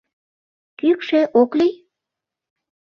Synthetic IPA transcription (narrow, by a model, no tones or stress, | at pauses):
kykʃeʔoklij